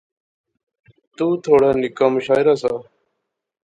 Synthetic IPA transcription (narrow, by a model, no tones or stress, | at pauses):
t̪uːt̪ʰoːɽãːnɪkãːməʃaːɪɾaːsaː